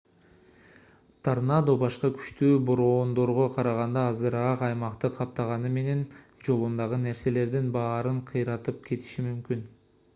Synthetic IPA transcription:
t̪ʰaɾnɑd̪obɑʃqɑkʰy̥ʃt̪yːboɾo̞ːnd̪o̞ɾʁoqʰɑɾɑʁɑnd̪ɑːzɯɾɑqɑjmɑqt̪ɯqʰɑp̚t̪ɑʁɑnɯme̞ne̞nd͡ʒo̞lˠund̪ɑʁɯne̞ɾse̞le̞ɾd̪inbɑːɾɯɴqʰɯjɾɑt̪ɯp̚kʲʰe̞t̪i̥ʃimymkyn

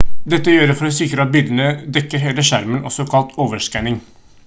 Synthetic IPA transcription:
d̪ɛt̪ːəjøːɾəfɔɾɛsɪkɾəɑbɪld̪ənəd̪ɛkːəɾɦeːləʃæɾmənɔ̰sɔkʰɑlt̪ʰoːʋəʂkænɪŋ

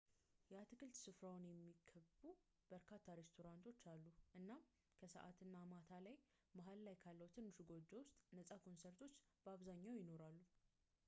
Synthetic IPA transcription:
jɛat̪ʰɨkʰɨlt̪sɨfɾawnjɛmːikʰəbu | b̥əɾkʰat̪ʰːaɾe̞st̪ʰo̞ɾant̪ʰo̞t͡ʃːalːuʔɨnːa | kʰəsə̰ʔa̰t̪ʰɨnːamat̪ʰalaj | maɦallajkʰalːəwt̪ʰɨnːɨʃuɡo̞d͡ʒːɛwʊst̪ʼnəsʼakʰo̞nseɾt̪ʰo̞t͡ʃːb̥əaβzaɲːawjɪno̞ɾalːu

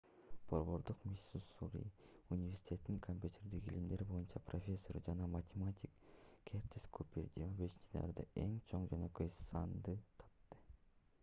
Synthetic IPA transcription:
b̥o̞ɾβo̞ɾd̪uqmʲisusuɾʲḭ | unʲivʲe̞rsʲi̥t̪ʲʰe̞t̪niŋkʰomʲpʲjut̪ʰʲe̞ɾd̪ikilimd̪e̞ɾibo̞junt͡ʃɑprofʲe̞sːo̞ɾd͡ʒɑnɑmɐtʲemat̪ʲikkʲʰːert̪ʲeskʰupʲird̪ʲimabeʃint͡ʃ̪nɑ̰ɾd̪ɑe̞ŋt͡ʃʰo̞ɴd͡ʒønø̞køjsɑnd̪ɯt̪ʰɑ̥pt̪ːɯ

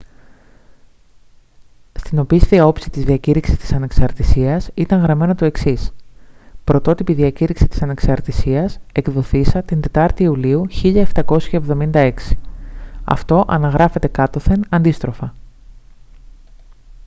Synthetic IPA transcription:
st̪ino̞pist̪eiɐo̞psit̪izðiɐciɾiksi̥st̪i̥sɐne̞ksɐɾt̪isiɐsit̪ɐŋɣɾɐme̞no̞t̪oe̞ksis | pɾo̞t̪o̞t̪ipiðiɐciɾiksi̥t̪i̥sɐne̞ksɐɾt̪isiɐse̞kðo̞θisɐt̪ind̪e̞t̪ɐɾt̪iːuliuçiʎɐeft̪ɐko̞sçɐevðo̞mind̪ɐe̞ksi̥ɐ̰ft̪o̞ʔɐnɐɣɾɐfe̞t̪e̞kɐt̪o̞θe̞nɐnd̪ist̪ɾo̞fɐ

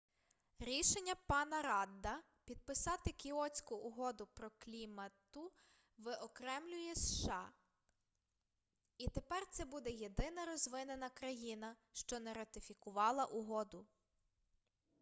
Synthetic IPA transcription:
ɾʲiʃenʲːɐpɑnɐɾɑd̪ːɐ | pʲid̪̚pɪsɑt̪ɪkʲiɔt͡sʲkʊʔːɦɔd̪ʊpɾɔklʲimɐt̪ʊ | ʋɪʔɔkɾɛmlʲʊjɛsʃɑ | it̪epɛrt̪sɛbud̪ɛje̞d̪ɪnɐɾɔzʋɪnenɐkɾɐjinɐ | ʃt͡ʃɔnɛɾɐt̪ɪfʲikʊʋɑlˠɐʔʊɦɔd̪ʊ

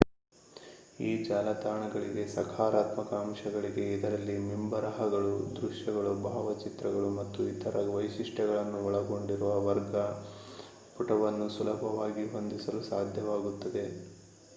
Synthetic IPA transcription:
iːd͡ʒaːlɐt̪aːɳɐɡɐɭiɡe̞sɐkʰaːɾaːt̪mɐkaːmʃɐɡɐɭiɡe̞id̪ɐɾɐlːimimbɐɾɐɦɐɡɐɭud̪ɾuʂjɐɡɐɭubʱaːʋɐt͡ʃit̪ɾɐɡɐɭumɐt̪ːuit̪ʰɐɾɐʋɐjsiʂʈɛɡɐɭɐnːuɔɭɐɡo̞ɳɖiɾuʋɐʋɐɾɡɐ | puʈɐʋɐnːusulɐbʱɐʋaːɡiɦo̞nd̪isɐlusaːd̪ʱjɐʋaːɡut̪ːɐd̪e̞

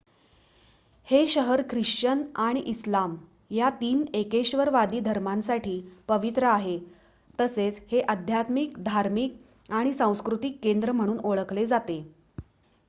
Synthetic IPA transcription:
heɕəɦəɾkʰɾiʂt͡ɕənaɽ̃iʔislam | jat̪iːnekeɕʋəɾʋad̪iːd̪ʱəɾmansaʈʰiːpəʋit̪ɾəaɦe | t̪əset͡sheʔəd̪ʱjat̪mik̚d̪ʱaɾmik | aɽ̃isãw̃skɾut̪ikːend̪ɾəm̤əɽ̃uːnoɭəkled͡zat̪e

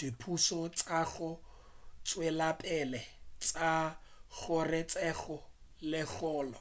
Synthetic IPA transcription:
d̥ipʰusɔt͡sʼaɣʊ | t͡sʼwelapʼɛlɛt͡sʼaɣʊrɪt͡sʼɛɣɔ | lɪɣɔːlɔ

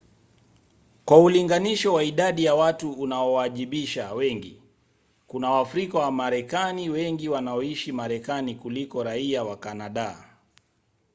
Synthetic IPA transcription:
kwauliŋɡaniʃɔwaiɗaɗijawatuunaɔwaʄiɓiʃawɛŋɡḭ | kunawafɾikawamaɾɛkaniwɛŋɡiwanaɔiʃimaɾɛkanikulikɔɾaiawakanaɗa

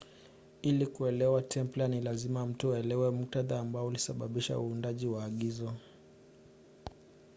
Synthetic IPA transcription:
ilikuɛlɛwatʰɛmplanilazimam̩tuɛlɛwɛmuk̚taðaːmbaɔulisaɓaɓiʃa̰uːndaʄiwaːɠizɔ

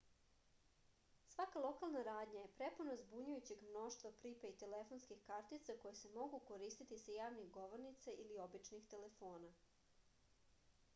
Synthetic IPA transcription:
sʋakalˠo̞kalˠnaɾaːd̪ɲajepɾeponozbuɲujut͡ɕe̞ɡmno̞ʃt̪ʋapɾiːpeit̪elefo̞nskixkaɾt̪it̪sako̞jese̞mo̞ɡukoɾiːst̪it̪isajaːʋniɣɡo̞ʋoɾnit̪saʔilio̞bit͡ʃnixt̪e̞lefo̞ːna

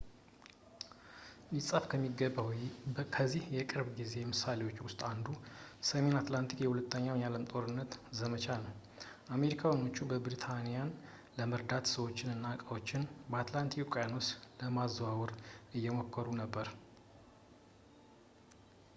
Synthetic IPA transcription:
ʔɪsʼəfkʰəmːiɡəb | kʰəzːihjɛkʼɨɾbɡize̞jmɨsale̞wo̞t͡ʃːwʊst̪ʼand̪usəme̞nat̪lant̪ʰikjɛhulət̪ʰːəɲːawjjaləmt̪ʼo̞ɾɨnːət̪zəmət͡ʃʰanəw | ʔame̞ɾikʰawano̞t͡ʃːubəbɾit̪ʰanijan | ləməɾd̪at̪səwo̞t͡ʃːɪnɨnːakʼawo̞t͡ʃːɪnbəat̪lant̪ʰikkʷʰʼjanosləmazːəwawɔɾʔɨjːɛmokʰːəɾunəbːəɾ

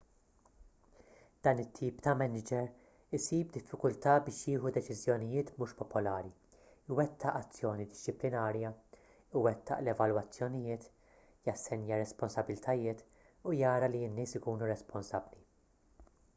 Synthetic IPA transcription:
d̪̥ɐːnɪt̪ʰːiːpt̪ɐmɛnɪd͡ʒɛɾ | ɪsiːb̚d̪ɪfːɪkʊlt̪ɐːbɪːʃjɪːħud̪ɛt͡ʃɪzjɔnɪjɪːt̪muːʃpɔpɔlɐːɾi | ɪwɛt̪ʰːɐʔɐt͡sːjɔːnid̪ɪst͡ʃɪplɪnɐːɾjɐ | ɪwɛt̪ːɐ̰ʔlɛvɐlwɐt͡sːjɔnɪjɪːt̪ | jɐsːɛnjɐɾɛspɔnsɐbɪlt̪ʰɐjɪːt̪ | ujɐːɾɐliɪnːɪːsɪkuːnuɾɛspɔnsɐbːli

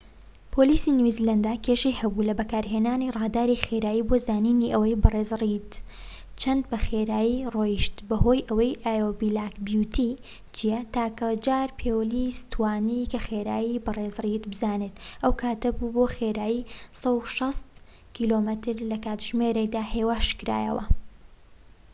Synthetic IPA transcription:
pʰoːliːsinizilɐnd̪aːkʰʲeʃejhɐbulɐbɐkaːɾɦeːnaːnirˤɑːd̪aːɾixeɾaːjiːbozaːniːniʔɐwɐjbɨreːzrid̪ | t͡ʃʰɐnd̪̚bɐxeɾaːjirojiʃt̪bɐho̞jʔɐwɐjʔaːjobilaːkbjut̪ʰi | t͡ʃijɛt̪aːkɐd͡ʒaːɾpʰeːwlist̪ʰwaːnikɐxeɾaːjibɨreːzrit̪bɨzaːnet̪ʔɐwkʰaːt̪ɐbuboːxeːɾaːjisɐwʃɐst̪ | kʰilomɐt̪ɨɾlɐkaːt̪ʒ̥meɾekd̪aːheːwaːʃkɾa̰ːjɐ̰wɐ̰

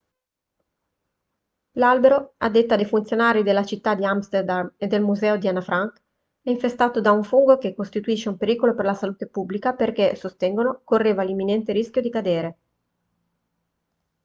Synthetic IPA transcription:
lalbeɾoad̪ːet̪ːad̪ejfunt̪sjonaːɾid̪elːat͡ʃit̪ːad̪iamst̪erd̪amed̪ːelmuzɛːod̪ianafɾaŋk | ɛiɱfest̪aːt̪od̪auɱfuŋɡokekːost̪it̪uiʃːeumpeɾiːkoloperlasaluːt̪epubːlikaperkesost̪ɛŋɡonokorːeːvalimːinɛnt̪eɾisk̟jod̪ikad̪eːɾe

